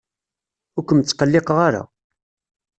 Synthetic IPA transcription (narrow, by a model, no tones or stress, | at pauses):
ʊɾkʷəmt͡sːqəlːɪqəʁaɾa̰